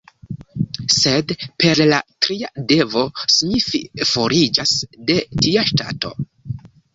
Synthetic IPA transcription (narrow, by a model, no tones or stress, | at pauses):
se̞dpe̞ɾlatɾiade̞vo̞siɲififo̞ɾid͡ʒasde̞tiaʃta̰to̞̰